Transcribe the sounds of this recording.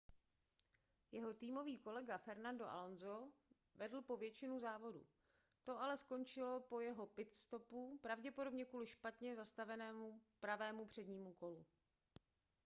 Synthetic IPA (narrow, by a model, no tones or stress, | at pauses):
jɛɦo̞t̪iːmo̞viːko̞lɛɡafɛɾnandoʔa̰lo̞nzo | vɛdl̩po̞vjɛt͡ʃɪnuzaːvo̞dṵ | t̪o̞alɛsko̞nt͡ʃɪlo̞po̞jɛɦo̞pɪt̪st̪o̞pupɾavɟɛpo̞do̞bɲɛkuːlɪʃpat̪ɲɛzast̪avɛnɛːmupɾavɛːmupr̝̥ɛdɲiːmuko̞lu